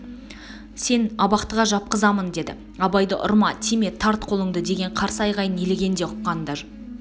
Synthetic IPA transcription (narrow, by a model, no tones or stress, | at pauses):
se̞nɑbɑqt̪əʁɑʒɑp̚qəzɑmənd̪e̞d̪ɪ̰ | ɑbɑjd̪ə̰ʔʊ̰ɾmɑt̪ʰeme̞t̪ʰɑɾt̪̚qʰo̞lˠəɴd̪əd̪e̞ɡʲe̞ɴqʰɑɾsəɑjʁɑjəneleɡʲe̞nd̪eʊqːɑnd̪ɑʒ